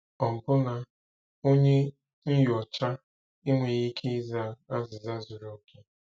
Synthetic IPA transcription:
ɔ˨m̩˨pʊ˦na˨ | o˦ɲe˦ | n̩˦jɔ˨t͡ʃa˦ | i˦ŋʷe˨ɣi˦kʰi˦za˦˨a˦zɪ˨za˦zʊ˨ɾo˨ke˦

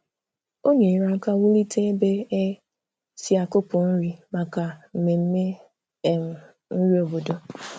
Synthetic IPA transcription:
o˦ɲe˨ɾa˨˦ka˦wu˦li˦tʰe˦be˦e˦ | si˦a˨kʊ˦pʊ˨n̩˦ɾi˦ma˨ka˨m̩˨me˨m̩˦me˦ | e˨m̩˨ | n̩˦ɾi˦o˨bo˨do˦

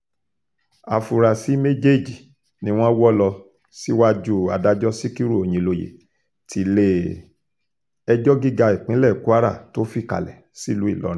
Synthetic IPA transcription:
a̰˧fu˧ɾa˧si˦me˦d͡ʒe˦˨d͡ʒi˨ | nĩ˧˦w̃ɔ̃˦wɔ˦lɔ˧ | si˦wa˦d͡ʒu˦a˧da˦d͡ʒɔ˦si˦ki˦ɾu˦˨o˨j̃ĩ˨˧lo˧jḛ˨ | ti˨˦le˦ | ɛ˧d͡ʒɔ˦ɡi˦ɡa˧i˨k͡pĩ˨˦lɛ˦˨ku˦a˦ɾa̰˦˨to˦fi˦˨ka̰˨lɛ˨ | si˦˨lu˨˦i˦˨lɔ̰˨˦ɾ̃ĩ˦

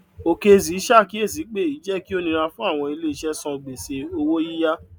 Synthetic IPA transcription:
o˨ke˧˨zi˨˦ʃa˦˨ki˨˦e˦˨zi˨˦k͡pe˦˨i˨˦d͡ʒɛ˦ki˦o˦nĩ˧ɾ̃ã˧fũ˦a˦˨w̃ɔ̃˧i˧le˦i˧˦ʃɛ˦sɔ̃˧ɡ͡be˨se˧o˧wo˦ji˦ja˦

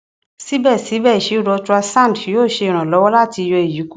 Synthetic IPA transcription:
si˦bɛ˦˨si˨˦bɛ˦˨i˨ʃe˨˦u˦˨ɾɔ˧tu˧a˧sã˦˨djoː˦˨ʃe˧i˨ɾ̃ã˨lɔ˨˦wɔ˦la˦˨ti˧jɔ˧e˨ji˨˦ku˦

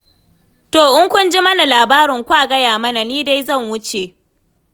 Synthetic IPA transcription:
toː˨ʔʊ˦ŋkʷʊ˦nd͡ʒi˦mɐ˦na˨laː˨baː˦ɾɪ˨ŋkʷaː˦˨ɡɐ˦jaː˨mɐ˦na˨niː˦da˦jzɐ˦˨ŋwʊ˦t͡ʃe˨ʔ

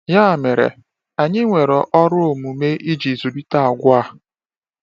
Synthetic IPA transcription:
jaː˦˨me˨ɾḛ˨ | a˨ɲɪ˦ŋʷe˨ɾɔ˨ʔɔ˦ɾʊ˦o˨mu˨me˦ʔi˦d͡ʒi˨zu˨bi˦ta˦˨ɡʷa˦˨

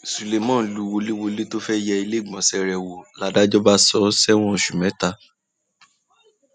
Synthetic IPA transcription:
su˨le˨mɔ̃˦˨lu˨˦wo˧le˦wo˧le˦to˦fɛ˦jɛ˧i˧le˦˨ɡ͡bɔ̃˨sɛ˧ɾɛ˨wo˨la˨˦da˦d͡ʒɔ˦ba˦sɔ˨˦sɛ˦w̃ɔ̃˦˨ʃu˨mɛ̃˨˦ta˧˨

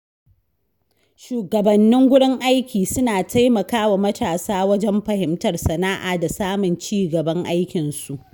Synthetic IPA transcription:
ʃuː˨ɡɐ˨bɐ˨nːɪ˦ŋɡʷʊ˦ɽɪ˦ŋʔa˦jkʲiː˨sʊ˦naː˨tʰa˦jmɐ˨kaː˦wa˨mɐ˦taː˨saː˦wɐ˦d͡ʒɛ˦mɸɐ˨hɪ˦mtɐ˨rsɐ˨naː˦ʔaː˨da˨saː˦mʊ˨nt͡ʃiː˦ɡɐ˨bɐ˦ŋʔa˦jkʲɪ˨nsu˨ʔ

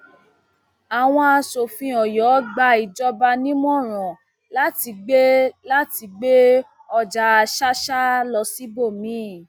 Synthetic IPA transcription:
a˨w̃ɔ̃˧a˧so˨fĩ˧ɔ˨jɔ˨˦ɡ͡ba˧i˨d͡ʒɔ˧ba˧nĩ˦mɔ̃˦˨ɾ̃ɔ̃˨ | la˦ti˧ɡ͡be˦la˦ti˧ɡ͡be˦ | ɔ˧˨d͡ʒa˨˧˦ʃa˦ʃa˦lɔ˧si˨˦bo˦˨mĩ˨˦˨

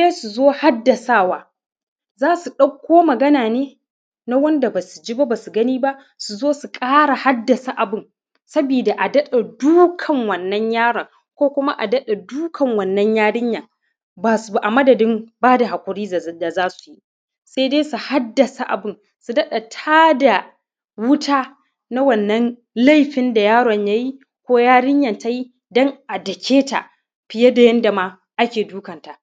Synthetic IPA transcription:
deː˦su˨zoː˦ha˦dːɐ˨saː˦˨waː˦ | zaː˦su˨ɗɐ˦kʷːoː˦mɐ˨ɡɐ˦naː˨neː˦ | na˦wɐ˦nda˨ba˨su˨d͡ʒi˦ba˦baː˨su˨ɡɐ˦niː˦ba˦ʔ | su˨zoː˦su˨kʼaː˦ɽa˨ha˦dːɐ˨sa˦ʔa˨bɪ˦n | sɐ˦biː˨da˨ʔa˨dɐ˦ɗa˨duː˦kʰɐ˨ŋwɐ˨nːɐ˦ɲjaː˦ɽɐ˨ŋ | kʷoː˦kʷʊ˦ma˦ʔa˨dɐ˦ɗa˨duː˦kʰɐ˨ŋwɐ˨nːɐ˦ɲjaː˦ɽɪ˦ɲjaː˨ | baː˨su˨ba˨ʔa˨mɐ˦dɐ˨dɪ˦mbaː˦da˨ɦa˨kʷʊ˨ɾiː˦˨da˨zaː˦su̥˨ji˦ | sa˦jdeː˦su˨ha˦dːɐ˨sa˨ʔa˨bɪ˦n | su˨dɐ˦ɗa˨tʰaː˦da˨ | wʊ˦tʰaː˦ | na˦wɐ˨nːɐ˦n | la˦jɸɪ˦nda˨jaː˦ɽɔ˨ɲja˦ji˦ | kʷoː˦jaː˦ɽɪ˦ɲjɐ˨nta˦ji˦ | dɔ˦ŋʔa˨dɐ˨kʲʰeː˦ta̰˨ʔ | ɸɪ˨je˦da˨jɐ˦nda˨ma˦ | ʔa˦kʲeː˨duː˦kɐ˨nta˨

